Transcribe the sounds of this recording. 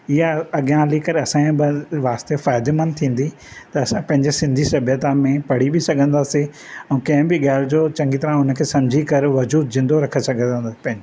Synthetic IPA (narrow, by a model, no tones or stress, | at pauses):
ɪjaɐɠjãlikɐɾɐsãĩbɪʋaːst̪efaːd̪emɐnt̪ʰĩːn̆d̪i | t̪ɐːsãpɐ̃ɦɪ̃ɲd͡ʑesɪ̃nd̪ʱisɐbʱjət̪amẽpɐɽ̤ibisɐɡʱə̃nd̪aːsi | ɛ̃ːkɐ̃ɦɪ̃bɪɠaːɪld͡ʑoːt͡ɕɐ̃ŋɡit̪ɐɾãʊnkʰeːsɐ̃md͡ʑʱikɐɾʋɐd͡ʑuːd̪zɪ̃nd̪oɾɐkʰesɐɡʱə̃nd̪aːsi̥pɐ̃ɦɪ̃ɲd͡ʑe